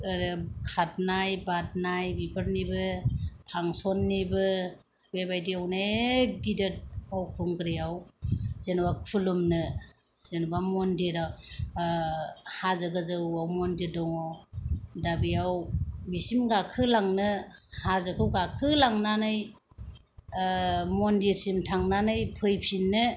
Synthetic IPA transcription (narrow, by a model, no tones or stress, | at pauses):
ɾkʰat̚najbat̚najbipʰɯɾnibɯpʰaŋsɔnːibɯ | bebajdiawneɡidɯt̚awkʰuŋɡɾijawzenbakʰulumnɯ | z̥enubamɔndiɾaw | hazɯɡɯzɯawmɔndiɾdɔŋawdabijawmisimɡakʰɯlaŋnɯhazɯkʰɯwɡakʰɯlaŋnanɯj | mɔndiɾsimtʰaŋnanɯjpʰɯjpʰinːɯ